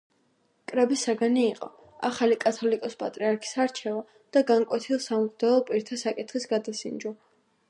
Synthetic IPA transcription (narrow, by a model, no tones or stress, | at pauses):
kʼɾɛbisaɡaniːqʼɔ̰ | aχalikʼat̪ʰɔlikʼɔspʼa̰t̪ʼɾiaɾkʰi̥saɾt͡ʃʰɛva | d̪̥aɡaŋkʼwɛt̪ʰilˠsamukd̪aɔpʼiɾt̪ʰasakʼit̪ʰχisɡad̪asind͡ʒɔ